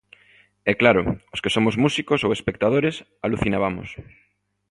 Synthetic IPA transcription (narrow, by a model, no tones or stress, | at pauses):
ɛklaɾʊ̰oskesomozmusikosowespek̚t̪að̞oɾes | aluθinaβ̞amo̰s